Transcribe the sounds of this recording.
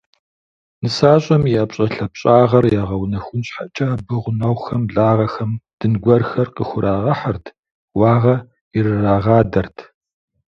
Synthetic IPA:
nɨsaːɕʼɐmiɐpɕʼɐɬɐpɕʼaːʁɐrjaːʁɐwnɐxʷʊnɕħat͡ʃʼaːbɨʁʷʊnɐwxɐmɮaːʁɐxɐmd̥ɨnɡʷɐrxɐrqəxʷʊɾʔaːʁɐħɐrtʰ | wɑːʁɐ | irɨraːʁɑːdɐrtʰ

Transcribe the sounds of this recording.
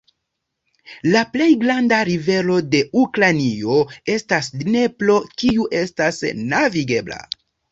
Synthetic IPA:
laple̞jɡɾandaɾive̞lo̞de̞ukɾanio̞e̞stasne̞plo̞kiuʔe̞stasnaviɡe̞bla̰

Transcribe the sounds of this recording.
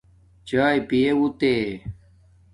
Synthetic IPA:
t͡ɕaːjpijewut̪eː

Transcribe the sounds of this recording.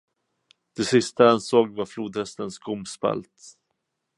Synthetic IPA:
d̪̥ɛsɪst̪aɛnsoːɡvaɾfluːd̪hɛst̪ənsɡʰʊmspɛ̰lt̪

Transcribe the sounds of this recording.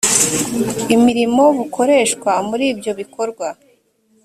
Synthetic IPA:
imiɾimo̞βukʰo̞ɾe̞ːʃkwamuɾiːbjo̞βikʰo̞ɾɡwa

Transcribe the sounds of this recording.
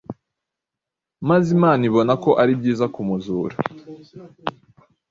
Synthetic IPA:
mazimaːniβo̞nako̞ʔaɾib̚ɟiːzakumuzuːɾa

